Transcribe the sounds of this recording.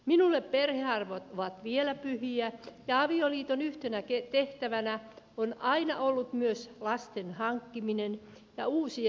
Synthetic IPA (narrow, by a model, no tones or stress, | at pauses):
minulːepperheɑrʋot̪oʋɑt̪ʋielæpyhiæjɑɑʋioliːt̪onyht̪enæket̪eht̪æʋænæ | onʔɑinɑ̰ʔolːut̪myøslɑst̪enhɑŋkːiminen | jɑuːsi